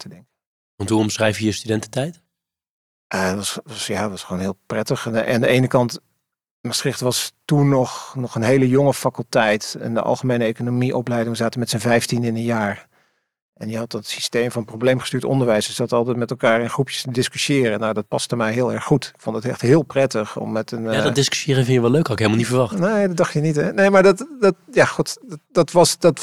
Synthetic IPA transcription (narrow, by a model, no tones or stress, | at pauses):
tʰədɛŋkə | ʋɑntɦuɔmsrɛjfjəjəstydɛntətɛjt | ʔətʋɑsʋɑsjaːtʋɑsχʋownɦɪːlˠprɛtəχaːndəejnəkɑnt | məsrɪχtʋɑstunːɔχnɔχənɦejləjɔŋəfakəlˠtɛjtɛ̰ndə̰ʔɑ̰lˠχəmejnəejkonomiʔɔplɛjdɪŋzaːtəmɛtsənvɛjftindɪnənjaːɹ | ʔɛnjəɦɑt̚dɑtsi̥stejmvɑnprowblejmχəstyːtɔ̰ndəɹʋɛjsəsɑtɑlˠtɛtmɛtɛlˠkaːɹɪnχrupjə̥stədɪskyʃɪːrənawdɑt̚pɑstəmɛjɦɪːlˠɛɹχːutɪkfɔndətɛχtɦɪːlˠprɛtəχɔ̰mːɛtənaddɪsky̥ʃjɪːɾənvɪnjəʋɛløɥkɔɪkɦelmlˠnitfəɹʋɑχtnejdɑddɑχtənitɛnejmaːɹdɑtdɑtjaːχutdɑtʋɑsdɑt